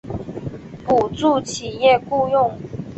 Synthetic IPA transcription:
pu˨˩t͡su˥˩t͡ɕʰi˨˩jɛ˥˨ku˥˧jʊ˥˨ŋ

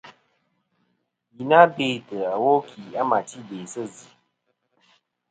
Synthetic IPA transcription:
ji˨na˦be˨tə˨a˨wo˦kʰi˨a˦ma˨ti˦be˨sə˦zi˨

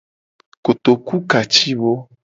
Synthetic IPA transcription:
ko˨t̪o˨ku˦ka˨t͡ʃi˦βo˦

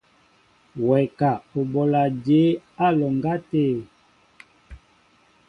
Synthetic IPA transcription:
wɛ˨ka˨o˨bɔ˨la˨d͡ʒe˨˦a˦lɔ˨ŋɡa˦te˦˨

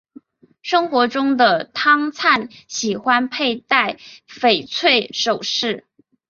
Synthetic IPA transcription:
ʂɤ˥ŋxwɔ˧˥ʈ͡ʂʊ˥ŋd̪ə˨t̪ʰɑ˥ŋt͡sʰa˥˩nɕi˨˩xwa˥npʰe˥˧ɪt̪a˥˩ɪfe˨˩ɪt͡sʰwe˥˩ɪʂo˨˩ʊʂɻ̩˥˩

